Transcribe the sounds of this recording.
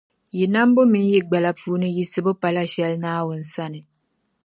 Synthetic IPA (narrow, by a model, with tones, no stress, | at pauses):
ji˨na˦m˦bo˦mi˦n˦ji˦ɡ͡ba˨la˨fuː˨˦nɨ˦ji˦sɨ˦bɨ˦pa˨la˦ʃɛ˦lnaː˦wʊ˨n̩˨sa˦nɨ˨